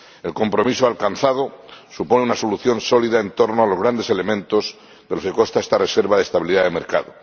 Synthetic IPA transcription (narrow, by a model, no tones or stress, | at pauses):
e̞lko̞mpɾo̞misoalkanθað̞osupo̞neunaso̞luθjo̞nso̞liðae̞nt̪o̞ɾnoalozɣɾand̪ese̞le̞mẽ̞nt̪o̞z | ðelo̞ske̞ko̞st̪aest̪are̞se̞ɾβaðest̪aβiliðaðeme̞ɾkaðo